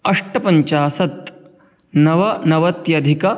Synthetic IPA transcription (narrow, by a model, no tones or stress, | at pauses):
ɐʂʈɐpɐɲt͡ʃaːsɐt̪ | nɐʋɐnɐʋɐt̪jɐd̪ʱikɐ